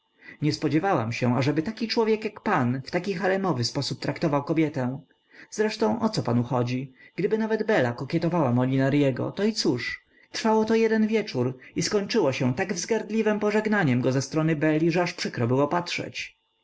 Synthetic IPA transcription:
ɲɛspɔd͡ʑɛvawamɕɛaʐɛbɘt̪akʲit͡ʂwɔvʲjɛkjakpanft̪akʲixaɾɛmɔvɘspɔsup̚t̪ɾakt̪ɔvawkɔbʲjɛt̪ɛ̃ | zɾɛʂt̪ɔ̃w̃ʔɔt̪sɔpanuxɔd͡ʑiɡ̥d̪ɘbɘnavɛd̪bɛlakɔkʲjɛt̪ɔvawamɔlʲinaɾjɛɡɔ̰t̪ɔit̪suʂ | t̪ɾfawɔt̪ɔjɛd̪ɛnvʲjɛt͡ʂuɾiskɔɲt͡ʂɘwɔɕɛt̪aɡvzɡaɾd̪lʲivɛmpɔʐɛɡnaɲɛmɡɔzɛst̪ɾɔnɘbɛlʲːiʐɛaʂpʂɘkɾɔbɘwɔpatʂɛ̰t͡ɕ

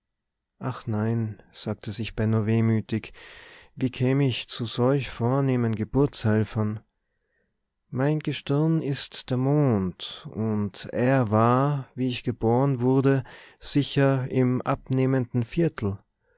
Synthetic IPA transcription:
ʔaχnaɪnz̥aːk̚tʰəzɪçb̥ɛnoveːmyːtɪkviːkʰɛːməɪçt͡suz̥ɔlçfoːɐneːmənɡəbʊɐt͡shɛlfɐn | maɪnɡəʃtɪɐnɪstd̥eːɐmoːntʔʊntʔeːɐvaːɐviːɪçɡ̥əb̥oːʁənvʊɐdəz̥ɪçɐɪmʔap̚neːməndn̩fiɐtʰl̩

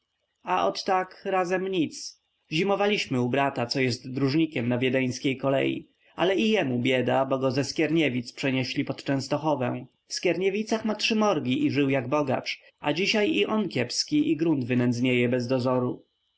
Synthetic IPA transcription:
aʔɔt̪ːakɾazɛmɲit̪s | ʑimɔvalʲiɕmɘubɾat̪at̪sɔjɛst̪d̪ɾuʐɲikʲɛmnavʲjɛd̪ɛj̃skʲejkɔlɛ̰jḭ | a̰lɛijɛmubʲjɛd̪abɔɡɔzɛskʲjɛɾɲevʲit̪spʂɛɲɛɕlʲipɔt̪t͡ʂɛ̃w̃st̪ɔxɔvɛ̰̃ | fskʲjɛɾɲevʲit̪saxmatʂɘmɔɾɡʲiʔiʐɘwjaɡbɔɡa̰t͡ʂ | a̰d͡ʑiɕajiʔɔnkʲɛpskʲiʔiɡɾund̪vɘnɛnd̪zɲejɛbɛzd̪ɔzɔɾu

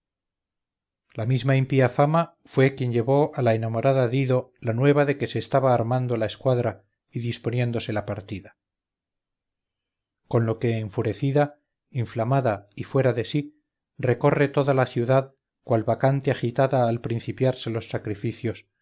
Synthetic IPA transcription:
lamizmaimpiafama | fwe̞kje̞ɲʎe̞βo̞ʔalae̞namo̞ɾaðaðiðo̞lanwe̞β̞aðe̞ke̞se̞ːst̪aβaːɾmand̪olae̞skwaðɾa | iðispo̞njẽ̞nd̪o̞se̞lapaɾt̪iða | ko̞nlo̞ke̞ːɱfuɾe̞θiða | iɱflamaðaifwe̞ɾaðe̞si | re̞ko̞re̞t̪o̞ðalaθjuðað | kwalβakant̪eaxit̪aðaːlpɾinθipjaɾse̞lo̞sːakɾifiθjo̞s

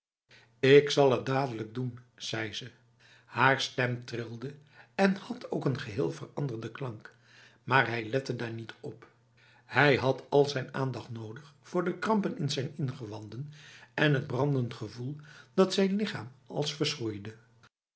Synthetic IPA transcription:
ɪksɑlˠət̚daːdələɡ̚dun | z̥ɛjzə | haːɹstɛmtrɪlˠdə | ɛnhɑtʰowkənχəɦɪːlˠvərɑ̰ndəɹdəklɑŋk | maːɹɦɛjlɛtədaːɹnitʰɔp | hɛjɦɑtʰɑlˠzɛjnaːndɑχtnowdəχfʊːɹdəkrɑmpənɪnzɛjnɪnχəʋɑndənɛnɦəd̚brɑndəntχəvulˠdɑtsɛjnlɪχaːmɑ̰lˠsfəɹsχujdə

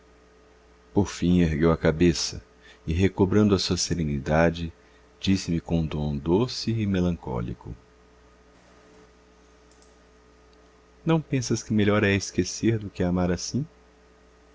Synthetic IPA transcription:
poɾfĩeɾɡewɐkabesɐ | ɪɦekobɾɐ̃nd̪ʊɐsuɐseɾẽnid̪ad͡ʒɪ | d͡ʒisɪmɪkõd̪õd̪osɪːmelɐ̃ŋkɔ̰lḭkʊ̰ | nɐ̃w̃pẽsɐskɪmeʎɔɾɛɪskeseɾd̪ʊkɪamaɾasĩ

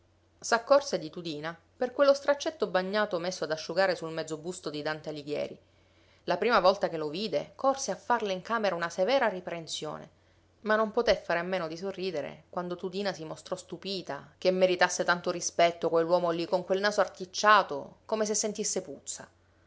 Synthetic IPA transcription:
sakːɔrsed̪it̪ud̪iːna | perkwelːost̪ɾat͡ʃːet̪ːobaɲːaːt̪omesːoad̪aʃːuɡaːɾesulmɛd̪zːobust̪od̪id̪ant̪ealiɡjɛ̰ːɾi | lapɾiːmavɔlt̪akeloviːd̪ekorseafːarleiŋkaːmeɾaunasevɛːɾaripɾensjo̰ːnḛ | manːompot̪efːaːɾeamːeːnod̪isorːiːd̪eɾḛkwand̪ot̪ud̪iːnasimost̪ɾɔst̪upiːt̪akemːeɾit̪asːet̪ant̪oɾispɛt̪ːokwelːwɔːmolːikoŋkwelnaːsoart̪it͡ʃːaːt̪o̰komes̬esːent̪isːeput̪sːa̰

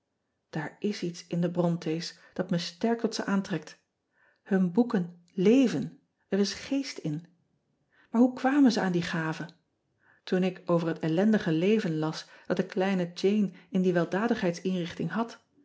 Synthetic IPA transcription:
d̥aːɹɪsitsɪndəbrɔntʰejs | d̥ɑtməstɛɹk̚tɔtsəʔaːntrɛk̚t | hɵnbukən | lejvən | ərɪsχejstɪn | maːɹɦukʋaːmənzəaːndiχaːvə | tunɪkowvəɹɦətɛlɛndəχəlejvənlɑsd̥ɑt̚dəklɛjnəd͡ʒejnɪndiʋɛlˠdaːdəχɦɛjtsɪnrɪχtɪŋɦɑt

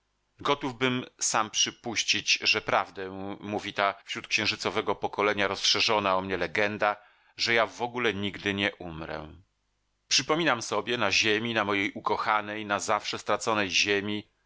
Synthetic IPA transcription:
ɡɔt̪uvbɘmsampʂɘpuɕt͡ɕit͡ɕʐɛpɾavd̪ɛmuvʲit̪afɕɾut̪̚kɕɛ̃w̃ʐɘt̪sɔvɛɡɔpɔkɔlɛɲaɾɔsʂɛʐɔnaɔmɲɛlɛɡɛnd̪a | ʐɛjavɔɡulɛɲiɡd̪ɘɲɛʔumɾɛ̰ | pʂɘpɔmʲinamsɔbʲjɛnaʑemʲinamɔjejʔukɔxanɛjnazafʂɛst̪ɾat̪sɔnɛjʑemʲi

